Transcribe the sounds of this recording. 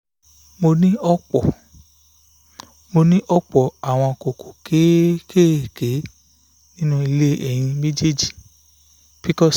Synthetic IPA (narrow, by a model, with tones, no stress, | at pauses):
mo˧nĩ˦ɔ˦k͡pɔ˦˨ | mo˧nĩ˦ʔɔ˦k͡pɔ˨a˨w̃ɔ̃˧ko˨ko˨ke˨˦ke˦˨ke˨˦ | nĩ˦nũ˦i˧le˦ʔɛ˨j̃ĩ˧mĩ˦d͡ʒe˦d͡ʒi˦˨ | b̥i˨kɔ˦˨s